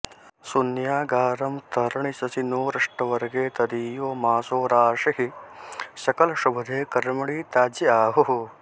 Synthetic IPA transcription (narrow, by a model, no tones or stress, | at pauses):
sunjaːɡaːɾɐmt̪ʰɐɾɐɳisɐsinoːɾɐʂʈɐʋɐɾɐɡeːt̪ɐd̪iːjoːmaːsoːɾaːʂɐɦi | sɐkɐlɐʂubɐd̪ʱeːkɐɾmɐɭiːt̪aːd͡ʒɐaːɦoɦo